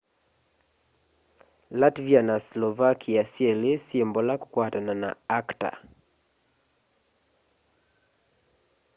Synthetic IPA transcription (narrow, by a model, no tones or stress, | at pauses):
latvianaslɔvakʰiasielesjembɔlaku̥kwatanana̰akta̰